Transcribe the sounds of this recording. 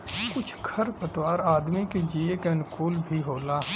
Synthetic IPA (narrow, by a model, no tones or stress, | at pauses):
kʊt͡ʃʰkʰɐɾpət̪waːɾaːd̪miked͡ʒiːekenɪkuːlbʱiɦoːla